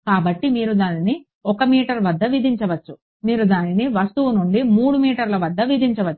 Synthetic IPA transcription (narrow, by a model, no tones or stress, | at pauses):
kaːbɐʈːimiːɾud̪aːnini | ɔkɐmiːʈɐɾʋɐd̪ːɐʋid̪ʱiɲt͡ʃɐʋɐt͡ʃːu | miːɾud̪aːniniʋɐst̪uʋunuɳɖimuːɽumiːʈɐɾlɐʋɐd̪ːɐʋid̪ʱiɲt͡ʃɐʋɐt͡ʃːu̥